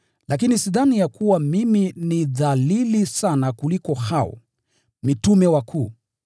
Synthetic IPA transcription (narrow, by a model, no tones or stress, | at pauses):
lak̬inisiðanijakuwamiminiðalilisanakulikɔhaɔ̰ | mitumɛwakʰuː